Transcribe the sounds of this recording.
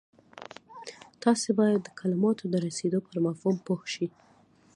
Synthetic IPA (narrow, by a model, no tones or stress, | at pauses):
t̪ɑsebɑjad̪ːəkʰalɪmɑt̪ʰod̪əɾased̪opəɾmafhumpohʃi